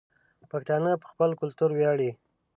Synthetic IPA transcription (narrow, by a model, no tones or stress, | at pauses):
pakt̪ɑnəpə̥xpəlkʊlt̪uɾwjɑɽi